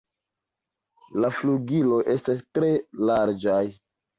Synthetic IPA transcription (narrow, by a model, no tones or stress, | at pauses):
lafluɡilo̞jʔe̞stastɾe̞laɾd͡ʒaj